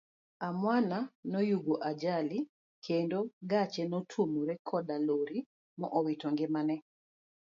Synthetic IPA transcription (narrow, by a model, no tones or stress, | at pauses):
amwananɔjuɡoʔad͡ʒali | kʰendoɡat͡ʃɛnɔtʰumuɾɛkʰɔdaloɾi | mɔʔɔwitɔŋɡɪmanɛ